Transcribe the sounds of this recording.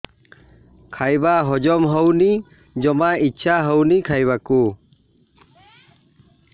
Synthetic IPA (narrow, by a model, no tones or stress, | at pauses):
kʰajbaɦɔd͡ʒɔmɦəwni | d͡ʒɔmaitːʃʰaɦəwnikʰajbaku